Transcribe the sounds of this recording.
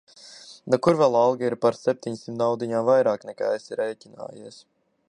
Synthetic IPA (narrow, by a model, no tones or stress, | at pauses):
nɔkuɾvɛlˠalˠɡiiɾpaɾsɛp̚ʲt̪iɲsimt̪awd̪iɲaːvajɾaːknɛka̰ːesiɾɛjcʲina̰ːjiɛs